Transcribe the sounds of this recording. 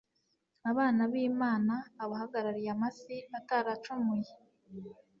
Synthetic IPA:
aβaːnaβiːmaːnaːβahaɡaɾaɾijamasiataɾat͡ʃumuje

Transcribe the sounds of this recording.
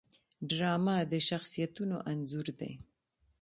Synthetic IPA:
ɖɾɑmad̪əʃaxsijat̪unoʔanzuɾd̪ḛ

